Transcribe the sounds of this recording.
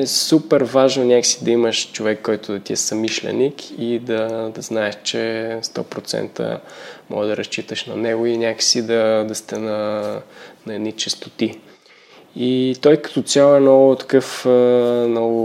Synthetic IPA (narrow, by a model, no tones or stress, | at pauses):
ɛsupɛɾvaʒnɐnʲakə̥sid̪ɐiməʃt͡ʃovɛkːɔjt̪ʊd̪ɐt̪iɛsɐmiʃlɛ̰nikid̪ɐd̪ɐznaɛʃt͡ʃɛst̪ɔ̰pɾot̪sɛ̰nt̪ə̰mʔɔ̰ɡəd̪ɐɾɐst͡ʃit̪əʃnɐnɛɡʊinʲjakə̥sid̪ɐd̪ɐst̪ɛnɐ | nɐɛd̪nit͡ʃɛst̪o̥t̪i | it̪ɔjkɐ̥t̪ɔt̪sʲjalˠɛnɔɡʊt̪ɐ̥kɤf | nɔɡʊ